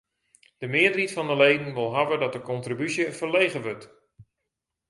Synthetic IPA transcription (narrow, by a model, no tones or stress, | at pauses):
d̥əmɪədəritfɔndəlejdən̩ʋɪlˠɦavədɔt̚dəkɔntribysjəfərlejɣəʋɵt